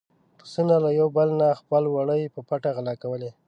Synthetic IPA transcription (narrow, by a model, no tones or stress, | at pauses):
pəsinalajawbəlnaxpəlwaɽəjpəpaʈaɣalɑkawəle